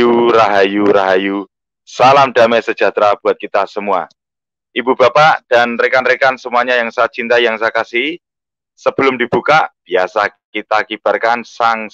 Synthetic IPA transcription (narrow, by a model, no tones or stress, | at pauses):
uraɦajuɾaɦaju | salamda̤mɛsəd͡ʒa̤t̪ɾab̥uat̪̚kit̪asəmua̰ | ʔibubapaʔd̥anrekanrekansəmuaɲajaŋsaːt̪̚t͡ʃint̪ajaŋsaakasi | səb̥ə̤lʊmdib̥ukab̥iasakit̪akib̥a̤rkansaŋ